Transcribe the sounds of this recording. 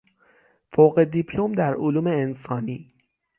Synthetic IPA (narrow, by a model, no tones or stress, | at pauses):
foɣe̞d̪ipʰlomd̪æɾoluːme̞ensɒːniː